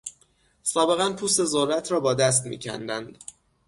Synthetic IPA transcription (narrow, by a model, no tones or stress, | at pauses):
sɒːbe̞ɣænpʰuːst̪e̞zoɾːæt̪ʰɾɒːbɒːd̪æs̬t̪mḭːcʰæ̰nd̪ænd̪̥